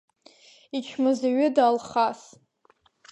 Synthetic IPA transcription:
it͡ʃʰmɨzaɥɪdaːlχas

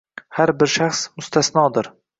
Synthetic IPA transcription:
haɾbɪɾʃaχsmʊst̪ʰasnɒːd̪ɪɾ

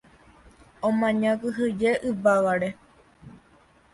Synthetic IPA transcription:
õmãɲãkɨɦɨd͡ʒeʔɨʋaʋaɾe

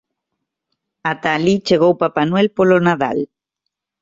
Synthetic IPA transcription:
at̪alit͡ʃeɣ̞owpapanwelpolonaða̰l

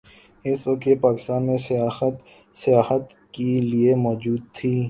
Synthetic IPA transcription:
ɪsʋɐk̚t̪jepaːkɪ̥st̪aːnmẽsət̪ | sɪjaːhət̪ | keliemɔːd͡ʒuːd̪̚t̪ʰiː

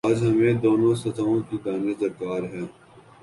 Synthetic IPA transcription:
aːd͡ʒɦɐmẽd̪oːnõsɐt̪ʰaõkid̪aːnezɐɾkaːɾɦɛː

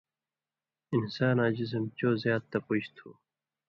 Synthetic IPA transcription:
insaːnaːd͡ʑis̬ɐmt͡ɕoːzjaːd̪̚t̪ːɐpuɕt̪ʰoː

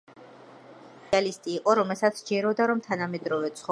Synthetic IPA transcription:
alist̪ʼiːqʼɔɾɔmɛlˠsat̪sʰd͡ʒɛɾɔd̪aɾɔmt̪ʰanamɛd̪ɾɔvɛt̪sʰχɔ

